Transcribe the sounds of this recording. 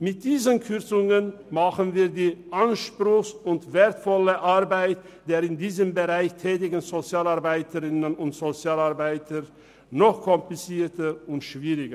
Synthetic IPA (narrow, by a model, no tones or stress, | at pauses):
mɪt̚d̥iːzənkʰʏʁt͡sʊŋənmaχənviːɐdiːʔanʃpʁ̥ʊxsʊntv̥eːɐtfɔləʔaʁbaɪt | d̥eːʁɪndiːzəmbəʁaɪçtʰɛːtɪɡn̩zot͡sjaːlaɐbaɪtʰəʁɪnənʊntz̥ot͡sjaːlaɐbaɪtʰə | nɔχkʰɔmplɪt͡siːtəʊntʃv̥iːʁɪɡə